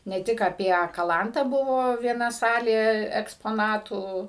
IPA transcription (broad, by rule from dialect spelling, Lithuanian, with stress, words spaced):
nʲɛ ˈtʲɪk ɐpʲiɛ kɐˈlˠɐntɑː ˈbʊʋoː ʋʲiɛˈnɐ ˈsɑːlʲeː ɛkspoːˈnɑːtuː